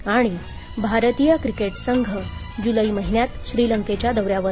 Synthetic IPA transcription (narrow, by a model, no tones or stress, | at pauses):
aɽ̃i | bʱaɾt̪ijəkɾikeʈsəŋɡʱə | d͡ʑuləiməɦiɳjat̪ɕɾiːləŋket͡ɕjad̪əʋɾjaʋə